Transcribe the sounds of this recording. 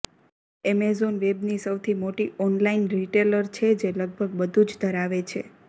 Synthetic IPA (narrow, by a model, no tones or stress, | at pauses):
emezonʋebnisəwt̪ʰimoʈiʔɔnlainɾiʈeləɾt͡ʃʰed͡ʒeləɡ̚bʱəɡ̚bəd̪ʱũd͡ʒd̪ʱəɾaʋet͡ʃʰḛ